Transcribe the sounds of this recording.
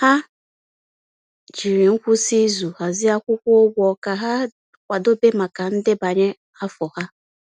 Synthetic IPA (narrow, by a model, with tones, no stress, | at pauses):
ha˦ | d͡ʒi˨ɾe˨ŋ̩˦kʷʊ˦si˦zu˨ha˨zɪ˦a˦kʷʊ˦kʷʊ˦o˦ɡʷɔ˨ka˨ɦa˦ | kʷa˨do˦be˦ma˨ka˨n̩˦dɪ˦ba˨ɲe˦ | a˦fɔ˨ha˦